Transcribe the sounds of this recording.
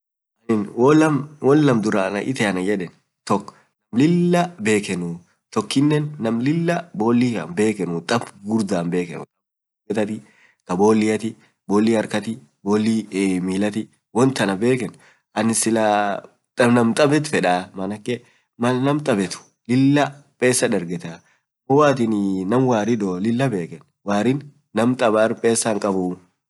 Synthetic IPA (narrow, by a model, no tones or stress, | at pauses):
ʔɐnɪnwɔlɐmwɔlːɐmd̪ʊɾɐːnɐ̰ʔɪ̰t̪ɛɐnɐjɛᶑɛn | t̪ɔkː | nɐmlɪlːɐbe̞ːkɛnʊ | t̪ɔkːɪnːɛnːɐmlɪlːɐbo̞ːlːɪkɐ̰nbe̞ːkɛnʊt̪ʼɐfɡʊɾd̪aːnbe̞ːkɛ̰nʊ̰t̪ʼɐb | bɛt̪ɐt̪ɪ | k̪ɐbo̞ːlːɪjɐt̪ɪ | boːlːiɐɾkɐt̪ɪ | boːlːimiːlɐt̪ɪ | wɔnt̪ːɐnɐbe̞ːkɛn | ʔɐnɪsɪla | t̪ʼɐnɐmt̪ʼɐbɛt̪fɛᶑaːmɐnɐkːɛ | mɐlnɐmt̪ʼɐbɛt̪ʊ̥ | lɪlːɐpʼeːsːɐd̪ɐɾɡɛt̪a | ɔwaːt̪ɪnnɐmwaːɾɪd̪olɪlːɐbe̞ːkɛn | waːɾɪnː | ɐmt̪ʼɐbaːɾpʼe̞ːsːɐŋkʼɐbʊ